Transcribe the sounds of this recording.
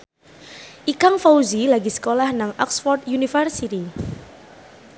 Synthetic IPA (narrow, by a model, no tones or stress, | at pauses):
ʔikaŋfauzilaɡisə̥kolahnaŋɔksfɔrt̪junifərsit̪i